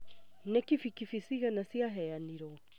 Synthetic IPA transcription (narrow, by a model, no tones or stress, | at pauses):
nɛkifikifisiɣanasiaɦɛjaniɾɔ